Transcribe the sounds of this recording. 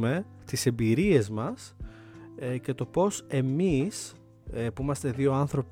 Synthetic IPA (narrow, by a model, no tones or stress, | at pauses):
me̞ | t̪ise̞mbiɾiezmɐs | ce̞t̪o̞po̞se̞mis | epimɐst̪e̞ðio̞ɐnθɾo̞p